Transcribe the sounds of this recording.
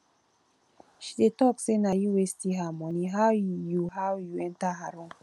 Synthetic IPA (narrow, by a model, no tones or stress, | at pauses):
ʃi̥ɗetɔksenajiwestiɦamɔniɦawjuɦawjuɛntaɦaɾuŋ